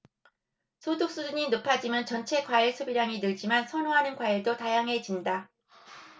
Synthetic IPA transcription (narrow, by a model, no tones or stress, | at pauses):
sʰodok̚s͈uduɲinopʰad͡ʑimjʌnt͡ɕʌnt͡ɕʰe̞kwaiɭsʰubiɾaŋinɯɭd͡ʑimansʰʌnoɦanɯnkwaiɭdotajaŋɦe̞d͡ʑinda